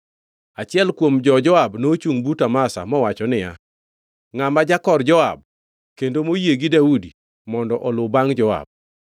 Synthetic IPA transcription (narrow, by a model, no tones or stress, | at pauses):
at͡ʃɪɛlkwomd͡ʒɔd͡ʒɔabnot͡ʃuŋbutamasa̰mɔwat͡ʃɔnɪja̰ | ŋamad͡ʒakɔrd͡ʒɔa̰b̚ | kendomojeɡidaudi | mɔndɔʔɔlʊbaŋd͡ʒɔa̰b̚